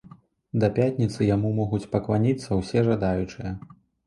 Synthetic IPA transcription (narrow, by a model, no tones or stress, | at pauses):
d̪ɐpʲat̪ʲnʲit̪sɨjamumɔɣut͡sʲpɐklˠanʲit̪sːɐwsʲɛʐad̪ajut͡ʂɨjɐ